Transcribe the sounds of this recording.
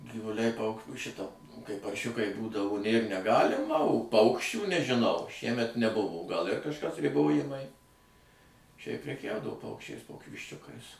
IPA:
ɡʲɪʋʊˈlʲɛɪ pɐʊk ˈʃʲɪtɐ kɐɪ pɐrʲˈʃʲʊkɐɪ ˈbuːdɐʋoː nʲeːr nʲɛˈɡɑːlʲɪmɐ oː ˈpɐʊkʃʲt͡ʃʲuː nʲɛʒʲɪˈnɐʊ ˈʃʲiɛmʲɛt nʲɛˈbʊʋoː ɡɐlˠ ɪr kɐʃˈkɐs rʲɪˈboːjɪmɐɪ ʃʲɛɪp pʲrʲɛˈkʲɛʊdɐʋoː ˈpɐʊkʃʲt͡ʃʲɛɪs ˈkoːkʲɪ ʋʲɪʃʲˈt͡ʃʲʊkɐɪs

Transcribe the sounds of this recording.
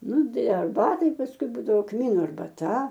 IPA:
ˈnʊ ˈdɐɪ ɐrˈbɑːtɐɪ pɐsˈkʊɪ ˈbuːdɐʋoː ˈkmʲiːnʊ ɐrbɐˈtɐ

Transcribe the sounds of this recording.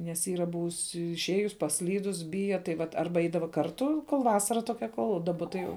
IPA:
nʲɛs ˈiːrɐ ˈbʊʋʊs ɪʃʲˈeːjʊs pɐsʲˈlʲiːdʊs ˈbʲɪjɛ tɐɪ ˈʋɐt ˈɐrbɐ ˈɛɪdɐʋɐ kɐrˈtʊ koːlˠ ˈʋɑːsɐrɐ toːˈkʲɛ ˈkoːlˠ dɐˈbɐ tɐɪ ˈjɛʊ

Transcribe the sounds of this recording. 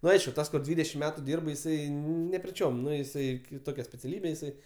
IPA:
ˈnʊ ˈɐɪʃkʊ ˈtɐs kʊr ˈdʲʋʲiːdʲɛʃʲɪm ˈmʲæːtʊ ˈdʲiːrp jɪˈsɐɪ nʲɛpʲrʲɪˈt͡ʃʲoːm ˈnʊ jɪˈsɐɪ kʲɪˈtoːkʲɛ sʲpʲɛt͡sʲɛˈlʲiːbʲeː jɪˈsɐɪ

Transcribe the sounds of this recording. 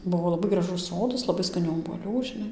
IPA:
ˈbʊʋoː lˠɐˈbɐɪ ɡrɐˈʒʊs ˈsoːdɐs lˠɐˈbɐɪ skɐˈnʲuː oːbuɔˈlʲuː ʒʲɪˈnɐɪ

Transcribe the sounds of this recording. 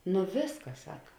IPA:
nʊ ˈʋʲeːsˌkɐs ˈsɑːkɐ

